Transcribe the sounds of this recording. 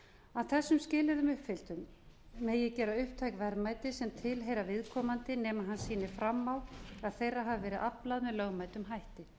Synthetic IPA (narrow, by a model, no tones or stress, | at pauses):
awθɛsːʏmscɪːlɪðʏmʏhpfɪl̥t̪ʏmː | ejɛcɛːɾaʏhp̚t̪ʰajkvɛɾmaːjt̪ɪsɛmt̪ʰɪlɦeːjɾavɪðkʰɔːmant̪ɪnɛːmaɦansiːnɪfɾamːawaðθejraɦavɪvɛːɾɪðʔaplaðmɛðlœːɣmajt̪ʏmɦajht̪ɪ